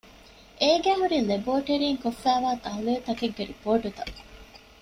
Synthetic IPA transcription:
ʔeːɡæːɦuɾileboːʈeɾiːŋkofːæːʋaːt̪ɐɦulet̪ɐkeɡːeɾḭpoːʈut̪ɐ

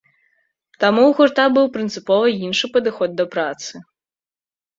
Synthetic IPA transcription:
t̪amuwɣurt̪abɨwpɾɨnt̪sɨpɔvɐinʂɨpɐd̪ɨxɔd̪̚ːɐpɾat̪sɨ

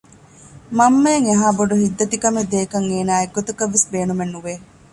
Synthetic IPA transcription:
mɐmːɐjeŋeɦaːboɖuhid̪ːɐt̪ikɐmed̪eːkɐŋeːnaːeɡːot̪ɐkɐʋːisbeːnumenːuʋeː

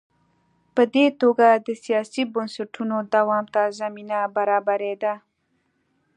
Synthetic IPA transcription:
pəd̪et̪oɡad̪əsijɑsibənsaʈunod̪awɑmt̪azaminabaɾɑbaɾed̪a

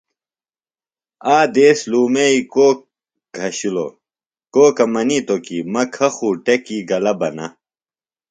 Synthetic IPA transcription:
aːd̪eːsluːmeikoːk̚ | ɡʱɐɕulo̰ | koːkɐmɐnit̪okimɐkʰɐxuːʈekiɡɐlɐbɐnɐ̰

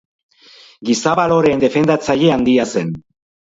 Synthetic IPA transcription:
ɡisaβalo̞ɾe̞nd̪e̞fe̞nd̪at͡saʎe̞and̪iase̞n

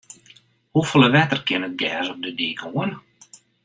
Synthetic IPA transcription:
hufələʋɛtərkɪnət̚ɡɛːsɔp̚dədiːkuən

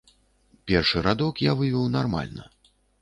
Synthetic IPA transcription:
pʲɛrʂɨɾad̪ɔkjavɨvʲɔwnarma̰lʲnɐ̰

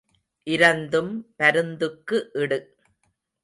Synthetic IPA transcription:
ʔɪɾɐnd̪ɯmpɐɾɯnd̪ɯkːɯʔɪɽɯ

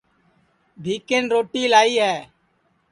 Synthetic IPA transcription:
bʱiːkenɾoːʈiːlaːiːɦɛː

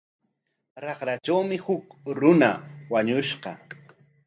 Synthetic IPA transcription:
ɾɑχɾat͡ʃawmɪhʊkɾʊnawaɲʊʃɢɑ̰

